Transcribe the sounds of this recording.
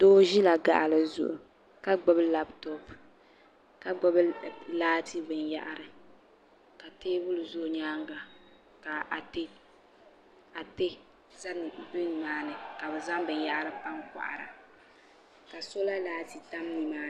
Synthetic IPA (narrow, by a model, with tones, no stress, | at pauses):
do˦ʒi˦la˨ɡa̰˨ʔa˨lɨ˨zʊ̰˨ʔʊ˨ | ka˦ɡ͡bɔ˦bɨ˦la˦ptɔ˦p | ka˨ɡ͡bɔ˦blaː˦ti˦bɨ˨nja̰˦ʔa˨ɾɨ˨ | ka˨teː˦bʊ˦lɨ˨zʊ˦ʔɲaː˦ŋɡa˨ | ka˨a˨te˦ | a˨te˦ | za˦nɨ˨bɨ˦n˨maː˦nɨ˨ka˨bɨ˨za˦ŋbɨ˨nja˦ʔa˦ɾɨ˦pa˦ŋka̰˨ʔa̰˨ɾa̰˨ | ka˨so˦la˦laː˦ti˨ta˦m˦ni˨maː˦˨